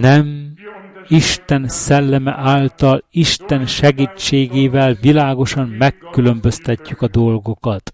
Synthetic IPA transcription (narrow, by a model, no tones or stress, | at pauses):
nɛm | iʃt̪ɛnsɛlːɛmɛ̰ʔaːlt̪ɒliʃt̪ɛnʃɛɡiːt͡ʃːeːɡeːvɛlvilaːɡo̞ʃɒmmɛkːylø̞mbøst̪ɛcːykɒd̪o̞lɡo̞kɒt̪